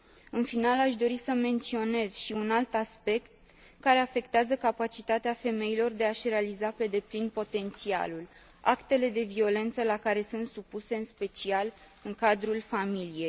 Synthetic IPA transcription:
ɨnfinalaʃ̬d̪o̞ɾisəme̞nt̪sio̞ne̞z̥ʃiunalt̪aspe̞kt̪ | kaɾe̞afe̞kt̪eazəkapat͡ʃit̪at̪eafe̞me̞ilo̞rd̪e̞aʃre̞alizape̞d̪e̞plinpo̞t̪e̞nt̪sia̰lul | a̰kt̪e̞le̞d̪e̞vio̞le̞nt̪səlakaɾe̞sunt̪supuse̞ɨnspe̞t͡ʃial | ɨŋkad̪ɾulfamilije̞j

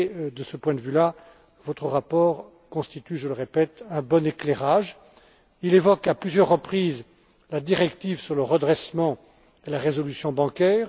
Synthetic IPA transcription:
d̪əsəpwɛ̃d̪əvyla | vɔt̪χəʁapɔːʁ | kɔ̃st̪it̪yʒələʁepɛt̪ɛ̃bɔnekleʁaʒ | ilevɔkaplyzjœʁːəpχiz | lad̪iʁɛkt̪ivsyʁləʁəd̪ʁɛsmɑ̃ | elaʁezɔlysjɔ̃bɑ̃kʲɛːʁ

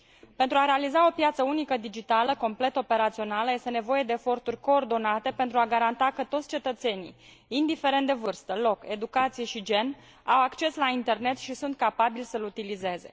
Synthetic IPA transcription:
pent̪ɾuaɾe̞alizao̞pjat̪səunikəd̪id͡ʒit̪aləko̞mple̞t̪o̞pe̞ɾat̪sio̞naləje̞st̪e̞ne̞vo̞je̞d̪e̞ːfo̞rt̪urʲko̞ːrd̪o̞nat̪e̞pent̪ɾuaɡaɾant̪akət̪o̞t̪sʲt͡ʃe̞t̪ət̪se̞nḭj | ind̪ifeɾent̪d̪evɨrst̪əlo̞ke̞d̪ukat̪sije̞ʃid͡ʒe̞n | awakt͡ʃe̞slaint̪e̞rne̞t̪ʃisunt̪̚kapabilsəlut̪ilize̞ze̞̰

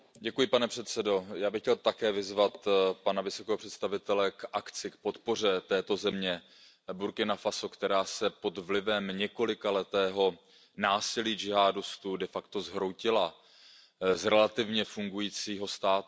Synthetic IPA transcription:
ɟɛkujɪpanɛpr̥ɛt̪sɛdo̞jaːbɪxcɛlt̪akɛːvɪzvat̪panavɪso̞kɛːɦopr̥ɛt̪st̪avɪt̪ɛlɛkʔakt͡sɪk̚po̞t̪po̞r̝ɛt̪ɛːt̪o̞zɛmɲɛ | buɾkɪnafaso̞kt̪ɛɾaːsɛpo̞d̪vlɪvɛmɲɛko̞lɪkalɛt̪ɛːɦo̞ | naːsɪliːd͡ʒɪɦaːdʊst̪udɛfakt̪o̞zɦɾowcɪla | zɾɛlat̪ɪvɲɛfuŋɡujiːt͡siːɦo̞st̪aːt̪

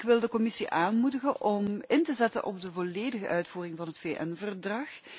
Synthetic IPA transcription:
kʋɪlˠdəkɔmɪsiʔaːnmudəɣənʔɔmɪntəzɛtə̰nʔɔ̰b̚dəvoleːdəɣə̰ʔœɥtfuːrɪŋvɑnɦətfeːʔɛnvərdrɑx

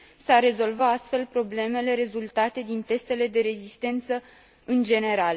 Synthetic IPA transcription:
sarːe̞zo̞lvaast̪fe̞lpɾo̞ble̞me̞le̞ɾe̞zult̪at̪e̞d̪int̪e̞st̪e̞le̞d̪e̞ɾe̞zist̪e̞nt̪sə | ɨnd͡ʒe̞ne̞ɾal

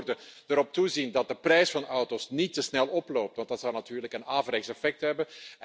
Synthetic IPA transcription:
rdəd̥əɾɔp̚tuzindɑt̚dəprɛjsfɑnɔwtoːsnitəsnɛlˠɔploːp̚tʋɑntd̥ɑtsɑwnatyːrləkənaːvɾɛksɛfɛk̚tɦɛbən

